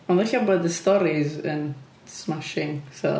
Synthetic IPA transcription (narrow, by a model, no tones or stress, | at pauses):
ɔ̃nɛɬabɔd̪əstɔɾizən | smaʃɪŋsɔ̰